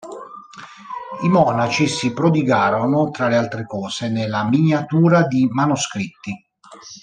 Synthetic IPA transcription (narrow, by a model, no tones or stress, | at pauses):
imɔːnat͡ʃisipɾod̪iɡaːɾonʊt̪ɾalealt̪ɾekɔːsenelːaminjat̪uːɾad̪imanuskɾit̪ːi